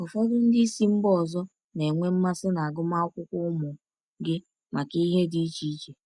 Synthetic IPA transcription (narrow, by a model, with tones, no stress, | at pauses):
ɔ˨fɔ˦dʊ˦n̩˦dɪ˦i˦si˦m̩˦bɔ˦˨zɔ˦ | ne˨ŋʷe˦m̩˦ma˦sɪ˦na˨a˨ɡʊ˦ma˦ʊ˦kʷʊ˦kʷʊ˦ʊ˦mʊ˨ | ɡɪ˦ | ma˨ki˦ɦe˦di˦t͡ʃi˦t͡ʃe˨